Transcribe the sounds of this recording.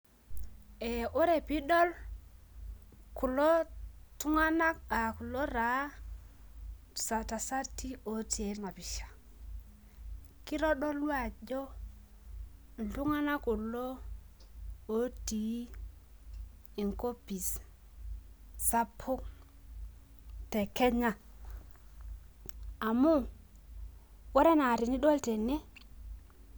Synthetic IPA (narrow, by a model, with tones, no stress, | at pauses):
ɛ˨o˦ɾe˨pi˦ɗɔ˦l | ku˨lo˦tu˦ŋa˦na˦ka˨ku˨lo˦ɾa˨˦ | sa˨ta˨sa˦tːi˦o˨ti˨˦e˨˦na˨pi˨ʃḁ˨ | ki˦ɾɔ˦ɗɔ˦lwa˨ʄɔ˦˨ | ɬu˦ŋa˦na˦ku˨lo˦ | o˨˦ti˨˦ | i˨ŋko˦pi˨s | sa˦pʰu˦ŋ | tɛ˨kɛ˦ɲa˦˨ | a˨mu˦ | wɔ˦ɾe˦na˨ɾi˨ni˦ɗo˦lte˨ne˦